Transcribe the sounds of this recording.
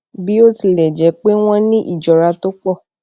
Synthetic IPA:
bi˦o˦ti˨lɛ˨d͡ʒɛ˨˦k͡pe˦w̃ɔ̃˦nĩ˦ʔḭ˦˨d͡ʒɔ˨ɾa˧to˦k͡pɔ˦˨

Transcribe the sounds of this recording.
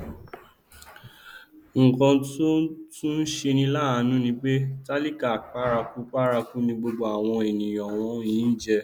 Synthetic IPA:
ŋ̩˨kɔ̃˧tu˦tũ˦n̩˦ʃe˧nĩ˧la˦a˧nũ˦nĩ˧k͡pe˦ta˦li˦ka˦˨k͡pa˦ɾa˧ku˦k͡pa˦ɾa˧ku˦nĩ˧ɡ͡bo˧ɡ͡bo˧a˨w̃ɔ̃˧e˨nĩ˨j̃ɔ̃˨w̃ɔ̃˧jĩː˨˦n̩˦d͡ʒɛ˧

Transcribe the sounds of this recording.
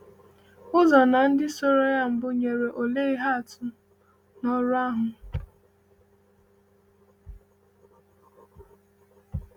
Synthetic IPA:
ʊ˦zɔ˨na˨n̩˦dɪ˦so˦ɾo˦ja˦m̩˨bʊ˦ɲe˨ɾe˨ʔo˨le˦i˦ɦa˦a˨tʊ˦ | nɔ˦ɾʊ˦a˦ɦʊ˨

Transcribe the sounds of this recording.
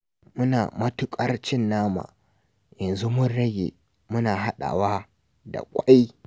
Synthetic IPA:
mʊ˦naː˨mɐ˦tʊ˦kʼɐ˦rt͡ʃɪ˦nːaː˦ma̰˨ | jɐ˨nzu˦mʊ˦nɽɐ˦ɡʲḛ˨ | mʊ˦naː˨ɦa˦ɗa̰ː˨wa˦ | da̰˨kʷʼa˦j

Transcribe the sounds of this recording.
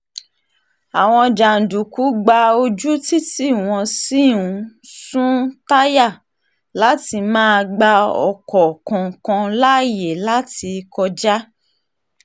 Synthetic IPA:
a˨w̃ɔ̃˧d͡ʒa˨n̩˨du˨ku˨˦ɡ͡ba˧o˧d͡ʒu˦ti˦ti˦˨w̃ɔ̃˧si˦˨ũ˨˦sũ˦ta˦ja˦˨ | la˨˦ti˧mãː˦˧ɡ͡ba˧ɔ̰˨kɔ˨kɔ̃˨kɔ̃˧la˦je˨la˦ti˧kɔ˧d͡ʒa˦

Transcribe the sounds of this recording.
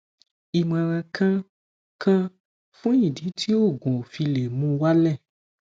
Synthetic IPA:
i˨mã˨ɾ̃ã˨˧kʰã˦ | kʰã˦ | fũ˦ĩ˦˨dĩ˨˦tʰi˦o˦˨ɡũ˨fi˧le˨mũ˧wa˦lɛ˦˨

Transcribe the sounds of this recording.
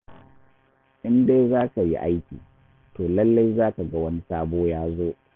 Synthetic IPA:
ʔɪ˦nde˦zaː˦ka˨jḭ˦ʔa˦jkʲḭː˨ | toː˨lɐ˦lːa˦jzaː˦ka˨ɡa˦wɐ˦ni˦saː˦boː˦jaː˦zoː˦

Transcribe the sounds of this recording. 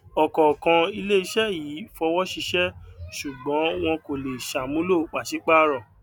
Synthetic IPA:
ɔ˨kɔ˨kã˨i˧le˦i˧ʃɛ˦ji˨˦fɔ˧wɔ˦ʃi˧ʃɛ˦ʃu˨ɡ͡bɔ̃˨˦w̃ɔ̃˧ko˨le˨ʃa˨mũ˦lo˦˨k͡pa˨ʃi˨˦k͡pa˦ɾɔ˨

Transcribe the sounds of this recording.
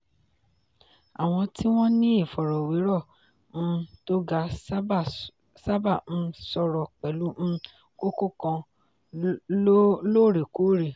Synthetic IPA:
a˨w̃ɔ̃˧tʰi˦w̃ɔ̃˦nĩ˦i˦˨fɔ˨ɾɔ˨wi˨˦ɾɔ˦˨ | m̩̃˧to˦ɡa˦ | sa˦bã˦˨˧sɔ˧ɾɔ˨k͡pɛ˨lũ˨˦˧ | ko˦ko˦˨kã˧˦ | lo˦˨ɾe˨ko˨˦ɾe˨

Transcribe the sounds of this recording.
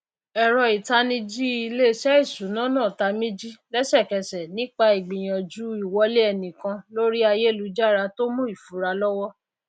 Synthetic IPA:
ɛ˨ɾɔ˨i˨ta˧nĩ˧d͡ʒi˦i˧le˦ʃɛ˦i˦˨su˨˦nã˦nãː˦˨ta˧mĩ˦d͡ʒi˦lɛ˦ʃɛ˦˨kɛ˧sɛ˨nĩ˦k͡pa˧i˨ɡ͡bĩ˨j̃ã˨d͡ʒu˦i˦˨wɔ˧le˦ɛ˧˨nĩ˨kã˧lo˦ɾi˦a˧je˦lu˨˦d͡ʒa˦˨ɾa˧to˦mũ˦i˦˨fu˨˦ɾa˧lɔ˦wɔ˦

